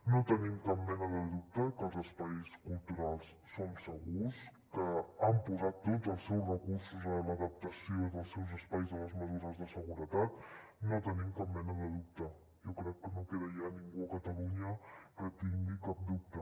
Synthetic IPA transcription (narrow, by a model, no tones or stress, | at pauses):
not̪ənimkap̚mɛnəðəðup̚t̪əkəlˠzəspajskulˠt̪uɾalˠsːonsəɣuskəːmpuzat̪ːod͡zəlˠsɛwzrəkursuzələðəp̚t̪əsioiðəlˠsɛwzəspajzðələzməzuɾəzðəsəɣuɾət̪at̪not̪ənimkapmɛnəðəðup̚t̪ə | jokɾɛkːənokeðəjaniŋɡuəkət̪əluɲəkət̪iŋɡikap̚d̪up̚t̪ə